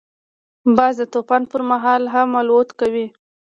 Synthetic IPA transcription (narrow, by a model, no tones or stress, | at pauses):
bɑzd̪ət̪opanpəɾmaɦɑlɦamalot̪kawi